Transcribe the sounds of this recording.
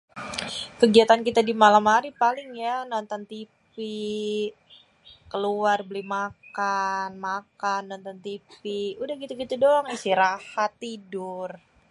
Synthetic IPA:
kəɡiat̪ankit̪adimalamhaɾipalɪŋjanɔnt̪ɔnt̪ifi | kəluarbəlimakanmakanːɔnt̪ɔnt̪ifiudahɡit̪uɡit̪udɔŋisiɾahat̪ːidʊr

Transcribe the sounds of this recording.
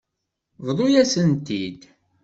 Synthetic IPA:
vðˤojæsənt̪id̪

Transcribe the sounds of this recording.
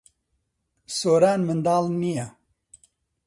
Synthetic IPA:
soːɾaːnmɨnd̪aːlnija

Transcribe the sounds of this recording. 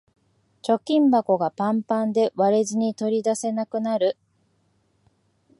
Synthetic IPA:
t͡ɕo̞kʲĩmbako̞ɡapãmpãnd̪e̞βaɾezɨɲ̟it̪o̞ɾʲid̪ase̞nakɯ̟naɾɯ̟

